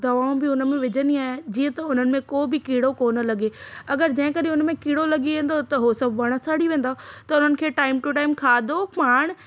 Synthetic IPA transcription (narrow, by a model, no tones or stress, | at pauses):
d̪ɐʋaːũbɪʊnəmẽʋɪd͡ʑəniaːɦẽd͡ʑiːə̃t̪ɐʊn̤ənɪ̆mẽkoːbɪkiːɽokoːnə̆lɐɠeɐɡəɾd͡ʑɐ̃ɦɪ̃kəɗɪ̃ʊnəmẽkiːɽolɐɠiʋẽːnd̪ot̪ɐɦosɐbʱʋɐɽ̃əsaɽiʋẽːn̆d̪at̪ɐʊn̤ənɪ̆kʰeːʈaːɪmʈʊʈaːɪmkʰaːd̪opaːɽ̃